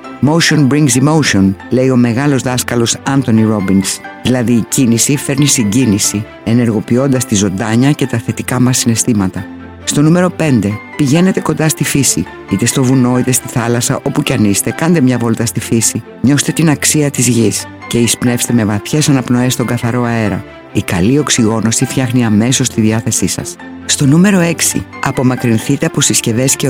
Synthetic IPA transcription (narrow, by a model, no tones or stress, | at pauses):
mo̞usio̞nbɾiŋɡsimo̞usio̞nle̞io̞me̞ɣɐlo̞zðɐskɐlo̞sɐnt̪o̞niɾo̞binsðilɐðiːcinisife̞ɾnisiɲɟinisi | e̞ne̞ɾɣo̞pio̞nd̪ɐst̪izo̞nd̪ɐɲɐce̞t̪ɐθe̞t̪ikɐmɐsːine̞st̪imɐt̪ɐ | st̪o̞nume̞ɾo̞pe̞nd̪e̞piʝe̞ne̞t̪e̞ko̞nd̪ɐst̪ifisḭ | it̪e̞st̪o̞vuno̞it̪e̞st̪iθɐlɐsɐʔo̞pucɐnist̪e̞kɐnd̪emɲɐvolt̪ɐst̪ifisi | ɲo̞st̪e̞t̪inɐksiɐt̪izʝis | ce̞ispne̞fst̪e̞me̞vɐθçe̞sɐnɐpno̞e̞st̪o̞ŋɡɐθɐɾo̞ɐe̞ɾɐ | ikɐlio̞ksiɣo̞no̞sifçɐxniɐme̞so̞st̪iðiɐθe̞sisɐ̰s | st̪o̞nume̞ɾo̞e̞ksḭɐpo̞mɐkɾinθit̪e̞ɐpo̞sisce̞ðe̞sce